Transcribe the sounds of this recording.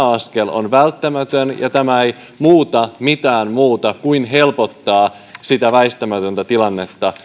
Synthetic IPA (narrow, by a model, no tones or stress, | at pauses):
ɑskelo̰nʋælt̪ːæmæt̪ønjɑ̰t̪æmæej | muːt̪ɑmit̪æːnmuːt̪ɑkuinɦe̞lpot̪ːɑː | sit̪æʋæist̪æmæt̪ønt̪æt̪ilɑnːe̞t̪ːɑ